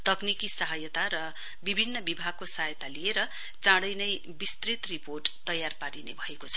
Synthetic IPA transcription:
t̪ʌknikisʌɦʌjʌt̪aɾʌ | bibʱinːʌbibʱaɡ̚kosʌɦajʌt̪alieɾʌ | t͡sãɽʌjnʌj | bist̪rit̪riporʈt̪ʌjarpaɾinḛbʱʌekot͡sʰʌ̥

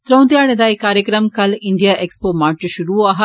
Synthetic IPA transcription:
t̪ɾɐwnd̪jaːɽɐd̪ɐikaːɾjɐkɾɐmkɐliɳɖijaʔekspoːmaːɾt͡ʃɐʃuɾuaːɦɐ

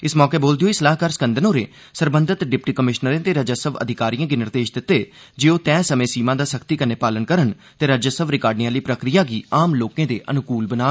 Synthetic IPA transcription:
ɪsmɔːkeːboːld̪ɪioːisəlaːɦkaːɾsəkə̃nd̪ʱənoːɾeː | səɾbənd̪ət̪ɖɪp̚ʈiːkəmɪʃnəɾẽːt̪eːɾəd͡ʒaːsəbə̰d̪ʱɪkaːɾijãːɡinɪɾd̪eːʃd̪ɪt̪ːeː | d͡ʒeːoːt̪ɛ̃ːsəmẽːsiːmãːd̪aːsəkʰt̪iːkəneːpaːlənkəɾən | t̪eːɾəd͡ʒaːsəʋɾɪkaːɾɖniãːliːpɾəkɾijaːɡiːaːmloːkẽːd̪eːʔənʊkuːlbənaː

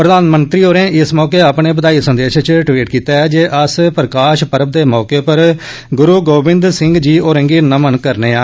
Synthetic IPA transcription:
pɾəd̪aːnmənt̪ɾiːoːɾẽːɪsmɔːkeːapɳeːpəd̪aːisənd̪eːʃt͡ʃʈʋiːʈkiːt̪aːɛːd͡ʒeːʔəspɾəkaːʃpəɾəb̚d̪eːmɔːkeːpəɾ | ɡʊɾuːɡoːbɪ̃nd̪sɪ̃ŋɡd͡ʒiːoːɾə̃ːŋɡiːnəmənkəɾneːaː

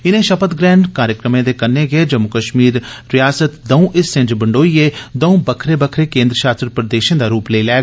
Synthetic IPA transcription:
ɪnẽːʃəpət̪ɡɾɛ̃ːɳɖkaːɾjəkɾəmẽːd̪eːkənːẽːɡeed͡ʒəmʊkəʃmiːɾːɪjaːsət̪d̪əũːʔɪsːɪ̃ɲd͡ʒbəɳɖoːieːd̪əũːbəkʰɾeːbəkʰɾeːkẽːnd̪ɾəʃaːst̪ɾəpɾəd̪eːʃẽːd̪aːɾuːpləilɛː

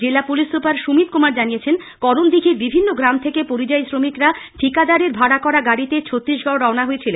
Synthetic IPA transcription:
d͡ʑelapulisɾopaɾʃumit̪̚kumaɾd͡ʑanijet͡ɕʰen | kɔɾond̪ikʰiɾbibʱinːoɡɾamt̪ʰekepoɾid͡ʑaesɾomikɾaʈʰikad̪aɾeɾbʱaɽakɔɾaɡaɽit̪et͡ɕʰot̪ːɾiʃɡɔoɾɔonaɦoet͡ɕʰilen

